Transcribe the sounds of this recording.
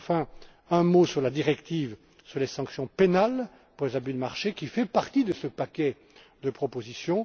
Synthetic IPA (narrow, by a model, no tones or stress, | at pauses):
fɛ̃ | ɛ̃mosyʁlad̪iʁɛkt̪iv | syʁlesɑ̃ksjɔ̃penal | puʁlezabyd̪əmaʁʃekʲifɛpaʁt̪id̪əsəpakʲɛ | d̪əpχɔpozisjɔ̃